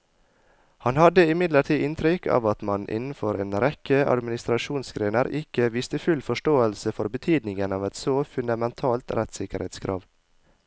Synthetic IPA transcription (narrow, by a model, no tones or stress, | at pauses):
hɑnhɑd̪əɪmɪd̪ləʈʰiːʔɪnt̪ʰɾʏkʰɑ̰ːʋɑt̪mɑnʔɪ̰nn̩fɔɾḛːnɾɛkəʔɑ̰d̪mɪnɪst̪ɾɑʃuːnsɡɾeːnəɾɪkəʋiːst̪əfʉlfɔʃʈoːəlsəfɔɾbət̪ʰyːd̪nɪŋənɑːʋɛt̪soːfʉnd̪ɑmɛnt̪ʰɑːlt̪ɾɛt̪sɪkəɾheːt̪skʰɾʔɑ̰ːʋ